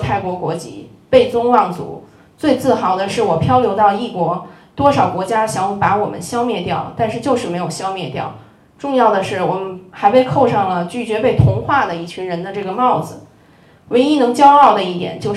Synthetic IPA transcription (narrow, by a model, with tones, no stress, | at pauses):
t̪ʰa˥˩ɪkwɔ˧˥kwɔ˧˥t͡ɕḭ˧˥˩ | pe˥˩ɪt͡sʊ˥ŋwɑ˥˩ŋt͡sṵ˧˥˦ | t͡swe˥˧ɪt͡sɹ̩˥˩xɑ˧˥ʊd̪ə˧ʂɻ̩˥˩wɔ˨˩pʰjɑ˥ʊljo˧˥ʊt̪ɑ˥˧ʊi˥˩kwɔ˧˥t̪wɔ˥ʂɑ˨˩ʊkwɔ˧˥t͡ɕja˥ɕjɑ˧˥ŋ˥˩pa˧˥wɔ˨˩mə̰˦nɕjɑ˥ʊmjɛ˥˧t̪jɑ˥˩ʊt̪a˥˧nʂɻ̩˥˧t͡ɕjo˥˧ʊʂɻ̩˥˩me˧˥ɪjo˨˩ʊɕjɑ˥ʊmjɛ˥˧t̪jɑ̰˥˩ʊ | ʈ͡ʂʊ˥˧ŋjɑ˥˩ʊd̪ə˩ʂɻ̩˥˩wɔ˨˩mə˦nxa˧˥ɪpe˥˧ɪkʰo˥˧ʊʂɑ˥˩ŋlə˩t͡ɕy˥˩t͡ɕɥɛ˧˥pe˥˩ɪt̪ʰʊ˧˥ŋxwa˥˩d̪ə˩i˥˩t͡ɕʰy˧˥ɻə˧˥nd̪ə˧ʈ͡ʂɤ˥˩ɡə˩mɑ˥˩ʊd͡zɹ̩˩ | we˧˥ɪi˥nɤ˧˥ŋt͡ɕjɑ˥ʊɑ˥˩ʊd̪ə˩i˥˩t̪jɛ̰˨˩˦nt͡ɕjo˥˧ʊ